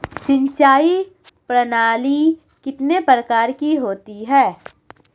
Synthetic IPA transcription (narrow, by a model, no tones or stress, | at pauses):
sɪ̃ɲt͡ʃaːi | pɾɐnaːli | kɪt̪nepɾəkaːɾkiɦoːt̪iɦɛː